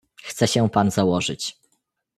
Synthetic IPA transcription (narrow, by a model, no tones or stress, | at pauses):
xt̪sɛɕɛ̃panzawɔʐɘ̰t͡ɕ